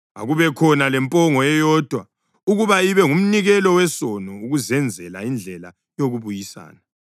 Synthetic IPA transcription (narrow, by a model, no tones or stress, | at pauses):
a̰ɣuβɛkʰɔnalɛmpʼɔŋɔɛjɔːd̥ʱwa | uɣuβaiβɛŋum̩niɣɛlɔwɛsɔnɔuɣuzɛnd͡zʱɛlaind͡ɮʱɛla | joɣuβujisa̰ːna